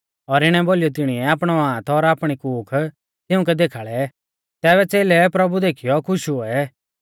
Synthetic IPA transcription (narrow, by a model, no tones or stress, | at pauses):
ɔɾɪɽ̃ɛboːlijɔt̪̬ɪɽ̃iɛaːpɽ̃ɔãːt̪ʰɔɾaːpɽ̃ikuːkʰ | t̪ɪʊ̃k̬ɛd̪eːkʰaːɭɛ | t̪ɛːβɛt͡seːlɛpɾɐbud̪eːkʰijɔkʰʊʃuɛ